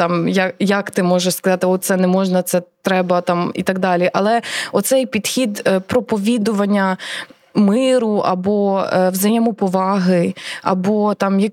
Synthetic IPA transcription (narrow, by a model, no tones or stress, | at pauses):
t̪ɑmjɐjɐkt̪ɪmɔʒeʃskɐzɑt̪ɪɔt̪sɛnɛmɔʒnɐt̪sɛt̪ɾɛbɐt̪ɑmḭt̪ɐɡd̪ɑlʲiʔɐlˠɛɔt̪sɛjpʲid̪xʲid̪pɾɔpɔʋʲid̪ʊʋɐnʲːɐ | mɪɾʊʔɐ̰bɔwzɐjɛmʊpɔʋɑɦɪɐ̰bɔt̪ɑmjɐk